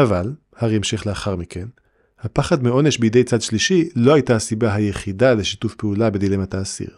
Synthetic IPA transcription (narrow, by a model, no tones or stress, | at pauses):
ʔaval | haʁiemʃeχleaχaʁmikʰe̞n | hapaχadmeo̞ne̞ʃbejede̞jt͡sadʃliʃilo̞hajtasibaɦajeχidale̞ʃitufpeulabedilemataːsḭʁ